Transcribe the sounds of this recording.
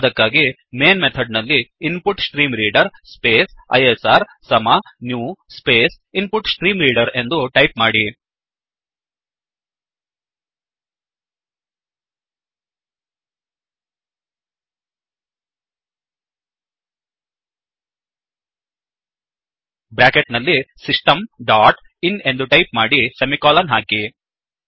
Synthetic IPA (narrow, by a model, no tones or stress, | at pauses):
d̪ɐkːaːɡi | me̞ːnmet̪ʰɐɖnɐlːiːnpuʈsʈɾiːmɾiːɖɐɾspe̞ːsɐ̰jesaːɾsɐmanjuːspeːs | inpuʈsʈɾiːmɾiːɖɐɾe̞nd̪uʈɐjpmaːɽi | bɾaːkeʈnɐlːisisʈɐmɖaːʈ | ine̞nd̪uʈɐjpmaːɽisemikaːlɐnɦaːki